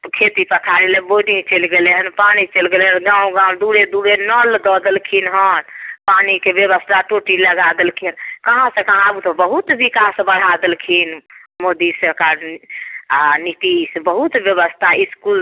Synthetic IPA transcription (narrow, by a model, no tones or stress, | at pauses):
kʰet̪ipət̪ʰaɾilẽbodĩt͡ʃəlɡeleɦənpanit͡ʃəlɡelɦənɡãũɡãw̃d̪uɽed̪uɽenɔld̪ɔd̪əlkʰinɦənpanikebeβəst̪ʰaʈoʈiləɡad̪elkʰinkəɦãsə̃kəɦãbut̪ɔbəɦut̪bikasbəɽ̤ad̪elkʰinmod̪isəɾkaɾ | anit̪isbəɦut̪bjeβəst̪ʰaiskul